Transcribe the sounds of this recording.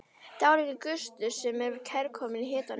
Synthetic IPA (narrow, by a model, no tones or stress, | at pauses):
t̪aːwlɛɣʏkʏst̪ʏsɛmɛɾvɪɾkʰɛɾkʰɔmɪniɦɪːt̪an